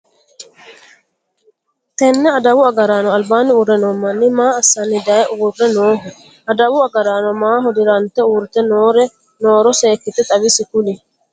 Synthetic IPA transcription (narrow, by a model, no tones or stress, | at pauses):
t̪ɛnːɛɐd̪ɐwʊɐɡɐɾaːnɔɐlbaːnɪʊrːɛnɔːmːɐnːɪmaːɐsːɐnːɪd̪ɐjɛʔʊʊrːɛnoːɦʊ | ʔɐd̪ɐwʊɐɡɐɾaːnɔmaːɦɔd̪ɪɾɐnt̪ːɛuːɾɪt̪ɛnoːɾɛ | noːɾɔseːkːɪt̪ɛt̪ʼɐβɪsɪkʊlɪ